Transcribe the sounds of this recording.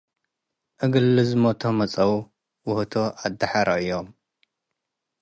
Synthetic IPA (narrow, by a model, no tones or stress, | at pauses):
ʔɨɡɨlːɨzɨmot̪ʰomɐt͡sʼɐw | wʊht̪ʰoad̪aħaɾʔɐɨjːom